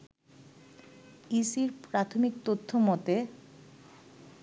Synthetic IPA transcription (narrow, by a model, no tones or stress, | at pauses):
isiɾpɾat̪ʰomik̚t̪ot̪ʰːomɔt̪e